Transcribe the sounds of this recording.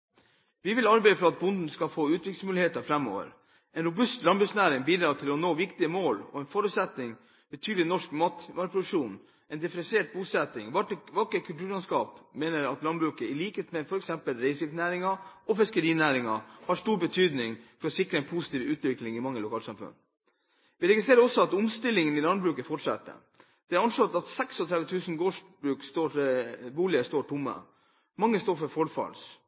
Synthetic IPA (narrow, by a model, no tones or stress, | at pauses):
ʋɪʋɪlɑɾbæɪəfɾɔɑt̪̚bʊnd̪n̩skɑfoːʉːt̪ʋɪkl̩smʉːlɪheːt̪əfɾɛmːo̰ːʋə̰ɾ | ɛnɾʊbʉst̪lɑnbɾʉksnæːɾɪŋbiːd̪ɾɑːt̪ʰɪlɔnoːʋɪkt̪ɪəmoːlɔ̰ɛnfɔɾʉːt̪sɛt̪nɪŋ | bət̪ʰyːd̪lɪnɔʂkmɑt̪mɑɾpɾʊd̪ʉʂuːn | ɛnd̪ɪfɾɛnseːʈ̚buːsɛt̪ːɪŋʋɑʋɑkːəkʰʉlt̪ʉːɾlɑnskɑːpmeːnəɾɑt̪lɑnbɾʉːkəɪliːkəet̪mefɔɾɛksɛmpəlɾɛɪsɪnæːɾɪŋɑɔfɪskəɾiːnæːɾɪŋɑ̰hɑʂʈuːɾbət̪ʰyːd̪nɪŋfɔɾɔsɪkɾəɛnpʰusɪ̥t̪ʰiːʋʉːt̪ʋɪklɪŋɪmɑŋːəlʊkʰɑːlsɑmfœ̰n | ʋɪɾɛɡɪst̪ɾeːɾəɾɔsːɔɑt̪ʊmst̪ɪlːɪŋənɪlɑnd̪bɾʉːkəfɔʈʂɛ̰t̪ːə̰ | d̪̥ɛæɾɑnʂlɔt̪ːɑt̪sɛksɔt̪ʰɾɛʋət̪ʰʉːsn̩ɡoːʂbɾʉːkst̪obuːlɪəst̪oːʈʰʊmːə̰ | mɑŋːəst̪oːɾfɔɾfɔɾfɑ̰ls